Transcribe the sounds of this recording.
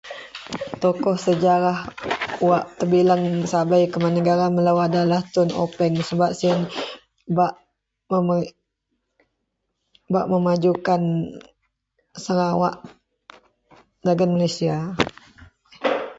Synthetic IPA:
t̪okɔhsəd͡ʒaɾahuwaʔt̪əbilaŋsabajkəmanəɡaɾaməlawadalaht̪ʊno̰pɛŋsəbaʔ̚sin | baʔ | əm | baʔməmad͡ʒukan | səɾawa̰ʔ | daɡənmalesia

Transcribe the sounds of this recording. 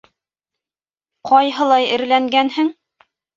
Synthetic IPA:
qʰɒjɦɤ̆lˠɑjɘ̆ɾlæŋɡænhɘŋ

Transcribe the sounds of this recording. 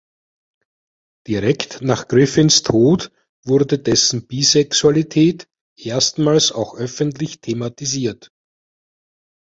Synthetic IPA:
d̥iʁɛktnaːχɡ̥ʁɪfɪnstʰoːt | vʊɐdədɛsn̩b̥iːzɛksualitʰɛːt | ʔeːɐstmaːlsaʊxʔœfəntlɪçtʰematiziːɐt

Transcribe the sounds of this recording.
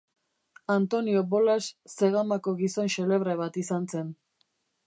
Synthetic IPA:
ant̪o̞nio̞βo̞lasːe̞ɣamako̞ɣiso̞nʃe̞le̞βɾeβat̪isanse̞n

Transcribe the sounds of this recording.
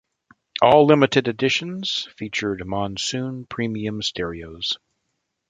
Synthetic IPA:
ɔlˠlɪ̃mɨɾɨɾɨdɪʃɨ̃n̩z̥fit͡ʃə˞d̚mɑ̃nsʉ̃npʰɹ̥ĩmiɨ̃mstʰɛɹioʊz̥

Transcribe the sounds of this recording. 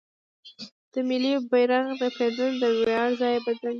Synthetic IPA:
d̪̥əmɪlibajɾaŋd̪əped̪und̪əwɑɽzɑjbad̪lan

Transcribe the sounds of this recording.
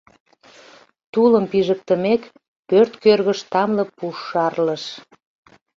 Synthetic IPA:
t̪uləmpiʒək̚t̪əmek | pørt̪kørɣəʃt̪ɑmlə̆puʃːɑrləʃ

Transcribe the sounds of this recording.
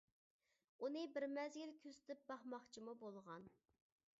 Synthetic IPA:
unɨbɪɾmɛzɡʲilkʲʰøzt̪ɪp̚bɑχmɑχt͡ʃʰimubolˠʁɑn

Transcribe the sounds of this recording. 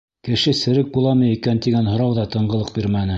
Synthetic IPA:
kɘ̆ʃɘsɘ̆ɾɘk̚bulˠɑmɤjikænt̪iɡænɦŏɾɑwðɑt̪ɤ̆ɴɢɤ̆lˠɤq̚biɾmænɘ

